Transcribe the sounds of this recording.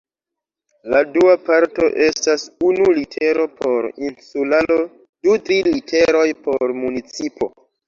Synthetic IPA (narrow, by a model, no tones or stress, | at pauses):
laduapaɾto̞̰ʔe̞stasunulitʰe̞ɾo̞pʰo̞ɾinsulalo̞ | dutɾilite̞ɾo̞jpo̞ɾmunit͡sipo̞̰